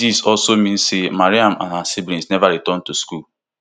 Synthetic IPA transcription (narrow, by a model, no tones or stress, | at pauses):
isɔlsomĩn̩semaɾiãmã̰nasibɾĩsnɛvaɾitɔ̃n̩tuskul